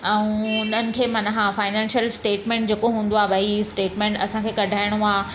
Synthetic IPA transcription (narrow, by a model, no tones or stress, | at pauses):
ɛ̃ũʊn̤ənɪ̆kʰeːmɐnɦãfaːɪnɛ̃ːnʃəlsʈeːʈmẽːɳʈd͡ʑeːkoɦũːn̆d̪oaːbɐisʈeːʈmẽːɳʈɐsãkʰeːkɐɖʱaːɪɽ̃uaː